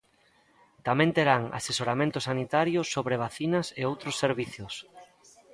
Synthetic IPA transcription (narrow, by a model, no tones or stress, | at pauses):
t̪amẽnt̪eɾaŋa̰sesoɾamẽnt̪ʊsanit̪aɾjʊsːoβɾeβ̞aθinɐseowt̪ɾosːeɾβiθjʊs